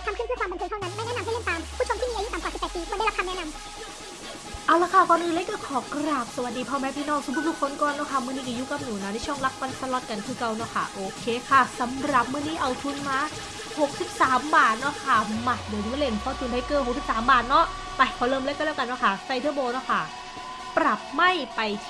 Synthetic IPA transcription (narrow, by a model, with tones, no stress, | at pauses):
t̪ʰkʰɯ˥˩˨t̪ʰɯː˥˩kʰwa˧m˧nkʰːt̪ʰa˥˩na˦˥nma˥˩jnɛ˥˨na˧mɦa˥˩le˥˩mt̪aː˧mkʰuː˥˩˨o˧mt̪ʰiː˥˨iː˧ʔju˦˥t̪a˨mkaː˨˩si˨˩p̪ːpiː˧ka˥da˥˩˨la˦˥ktʰa˧nɛ˥na˧m | ʔaː˧˩wla˧˥kʰːa˧˥˩kɔː˧nʔɯː˧˨le˧˥kɤː˧˩kʰɔː˩˦kɾaː˨˩p̚sa˧˩wa˨˩t̪̚diː˧pʰɔː˧˩mɛː˦˥pʰiː˥˧nɔː˥˩ŋ̚su˨˧bu˧˥t̚bu˧˩kʰːo˧nkɔː˧˩nːɔ˦˥˩kʰa˥˩mɯ˥˩˨niː˥˩kːju˦˥ka˧mnuː˩˦na˧˥˩da˧˩t͡ɕʰɔ˥˩ŋla˦˥k̚pa˧nsʰa˧lɔ˦˥t̪̚ka˧nkʰɯː˧ka˧wnɔ˦˧˥kʰa̰˥˩ʔoː˧kʰeː˧kʰa˥˩sa˨˦mɾa˨˩p̚mɯ˥˩niː˥˩ʔa˧wt̪ʰu˧nmaː˧˥ | ho˨˩k̚si˨˩p̚saː˩˦mbaː˨˩t̪̚nɔ˦˥kʰa˥˩ma˨˩t̪̚doː˨˧˩m˧˦m˧˥le˧˩npʰɔː˧˩t̪ʰu˧na˧˩kɤː˧ho˨˩k̚si˨˩psaː˩˦mbaː˨˩t̪̚nɔ˦˥ʔ | t̪ɛ˨˧˩pʰɔː˧˩lɤː˧˨mleː˦˥ka˧˨dlɛː˦˥˩ka˧nːɔ˦˥˩kʰa˥˩sa˧jt̪ʰɯ˥˩əboː˧nɔ˦˥kʰa˥˩ | pɾa˨˩p̚ma˥˩jpa˧jʰ